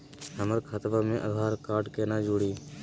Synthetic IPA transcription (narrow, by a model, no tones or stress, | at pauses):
ɦəməɾkʰət̪ʋaːmẽʔəd̪ʱaːɾkaːɾɖkeːnaːd͡ʒoɽiː